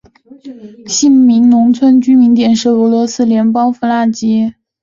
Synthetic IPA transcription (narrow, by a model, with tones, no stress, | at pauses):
ɕi˥˩nmi˧˥ŋnʊ˧˥ŋt͡sʰwə˥nt͡ɕy˥mi˧˥nt̪jɛ˨˩nʂɻ̩˥˩ɤ˧˥lwɔ˧˥sɹ̩˥ljɛ˧˥npɑ˥ŋfu˧˥la˥˩t͡ɕi˥